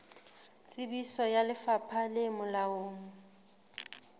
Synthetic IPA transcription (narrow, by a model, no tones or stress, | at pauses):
t͡sʼɪbisɔjalɪfapʰalɪmʊlaoːŋ̩